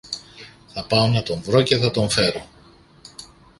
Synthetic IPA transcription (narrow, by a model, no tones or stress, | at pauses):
θɐpɐo̞nɐt̪o̞ɱvɾo̞ce̞θɐt̪o̞ɱfe̞ɾo̞